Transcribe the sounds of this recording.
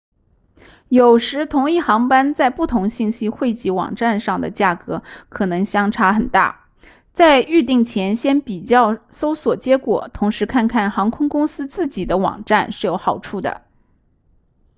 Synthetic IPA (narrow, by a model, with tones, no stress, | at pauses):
jo˨˩ʊʂɻ̩˧˥t̪ʰʊ˧˥ŋi˥˩xɑ˧˥ŋpa˥nt͡sa˥˧ɪpu˥˩t̪ʰʊ˧˥ŋɕi˥˩ŋɕi˥xwe˥˩ɪt͡ɕi˧˥wɑ̰˨˩ŋʈ͡ʂa˥˧nʂɑ˥˩ŋd̪ə̰˩t͡ɕja˥˩kɤ˧˥kʰɤ˨˩nɤ˧˥ŋɕjɑ˥ŋʈ͡ʂʰa˧˥xə˨˩nt̪a̰˥˩ | t͡sa˥˧ɪy˥˧t̪i˥˩ŋt͡ɕʰjɛ˧˥nɕjɛ˥npi˨˩t͡ɕjɑ˥˩ʊso˥ʊswɔ˨˩t͡ɕjɛ˧˥kwɔ̰˨˩t̪ʰʊ˧˥ŋʂɻ̩˧˥kʰa˥˧nkʰa˥˩nxɑ˧˥ŋkʰʊ˥ŋkʊ˥ŋsɹ̩˥t͡sɹ̩˥˩t͡ɕi˨˩d̪ə˦wɑ̰˨˩ŋʈ͡ʂa˥˧nʂɻ̩˥˩jo˧˥ʊxɑ˨˩ʊʈ͡ʂʰu˥˩d̪ə̰˩